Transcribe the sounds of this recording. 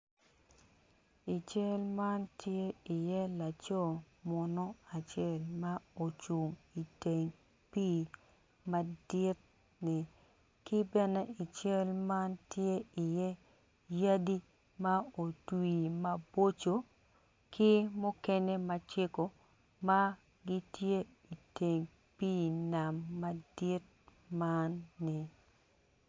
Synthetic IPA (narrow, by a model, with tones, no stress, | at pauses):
i˨t͡ʃɛ˦lma˦ntje˦i˨jɛ˦la˨t͡ʃo˦˨ | mɔ˨nɔ˦a˨t͡ʃjɛ˦˨lma˦o˨t͡ʃu˨mi˨te˨ŋ | pi˦˨ | ma˨dɪ˦t̚ | nɪ˨ | kɪ˦bɛ˦nɛ˦i˨t͡ʃɛ˦lma˦ntje˦ɪ˨jɛ˦ | ja˦di˦ | ma˦o˨twi˨ma˦bo˦t͡ʃo˨ | kʰɪ˦mʊ˦kɛ˦nɛ˦ma˨t͡ʃe˦ko˨ | ma˦ | ɡɪ˦tje˦ | i˨te˨ŋ | piː˦na˨mːa˦dɪ˦t̚ | ma˦nːɪ˨